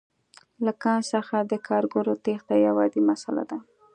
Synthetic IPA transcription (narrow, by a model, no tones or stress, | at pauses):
lakɑnsəxad̪əkʰɑɾɡoɾot̪ext̪ajawɑd̪imasala̰d̪a